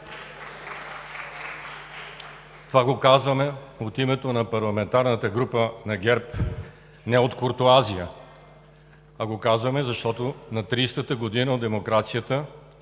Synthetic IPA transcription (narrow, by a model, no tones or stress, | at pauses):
t̪ovaɡokazvɐmɛot̪imɛt̪onɐpɐɾlˠɐmɛnt̪aɾnət̪əɡɾupənɐɡɛɾp | nɛot̪koɾt̪oaziə | ɐɡokazvɐmɛzɐʃt̪ɔt̪onɐt̪ɾiːst̪ət̪əɡod̪inəod̪ɛmokɾat̪sijət̪ə